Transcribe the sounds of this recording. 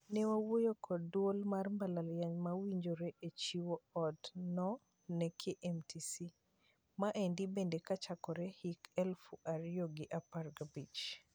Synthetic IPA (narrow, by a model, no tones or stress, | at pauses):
nɛwawojokʰɔdwolmarmbalaljaɲmawiɲd͡ʒoɾeʔet͡ʃiwoɔdnɔ | nɛkʰeʔɛmtʰisi | maʔendibendekat͡ʃakɔɾɛhikɛlfuʔaɾjoɡɪʔaparɡabit͡ʃ